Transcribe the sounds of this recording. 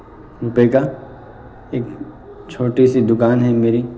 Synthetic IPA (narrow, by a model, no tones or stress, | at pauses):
upeːka | eːk | t͡ʃʰoːʈisid̪ʊkaːnɦɛmeːɾi